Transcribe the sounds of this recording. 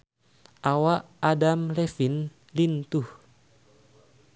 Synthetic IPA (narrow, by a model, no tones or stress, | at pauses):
ʔawaʔ | adamlefin | lint̪uh